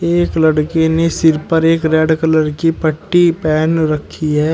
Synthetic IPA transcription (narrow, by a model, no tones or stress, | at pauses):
eːklɐɽkenesɪɾpəɾeːkɾɛːɖkɐləɾkipəʈːipɛːnɾɐkʰːiɦɛː